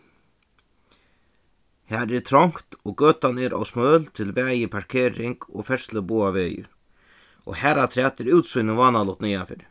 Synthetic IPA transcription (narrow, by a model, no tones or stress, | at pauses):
haːɾɛɾt̪ʰɾɔŋ̥kt̪ɔkøːt̪anɛɾʔɔ̰wsmœːlt̪ʰɪlvɛːjɪpʰaɹkʰeːɾɪŋkɔ̰ɣfɛɹ̥sləbuːavɛːjɪ̰ɾ | ʔɔ̰hæːɾat̪ʰɾɛːt̪ɛɾɪwt̪sujnɪvaːnalɔt̪nijafɪ̰ːɾɪ